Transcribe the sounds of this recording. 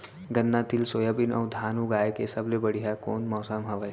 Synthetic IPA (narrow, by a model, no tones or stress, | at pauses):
ɡɐnːat̪ɪlsoːjabɪnɔ̰ːd̪ʱaːnuɡaːjkesɐblebɐɽ̤iɦakoːnmɔːsamɦɐʋa